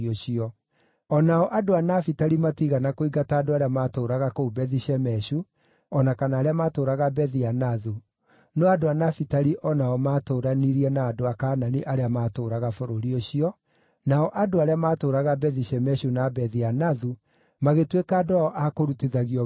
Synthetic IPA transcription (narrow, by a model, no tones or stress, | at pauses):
oɕiɔ | ɔnaɔʔadoanafitaɾimatiɣanakoiɡataːdoaɾeamaːtoːɾaɣakoubɛðiɕɛmɛɕu | ɔnakanaːɾeamaːtoːɾaɣabɛðianaðu | nɔadoanafitaɾiʔɔnaɔmaːtoːɾaniɾiɛnaːdoakaːnaniʔaɾeamaːtoːɾaɣafoɾoɾioɕiɔ | naɔʔadoaɾeamaːtoːɾaɣabɛðiɕɛmɛɕunabɛðianaðu | maɣetwekaːdoaɔʔakoɾuteðaɣiɔ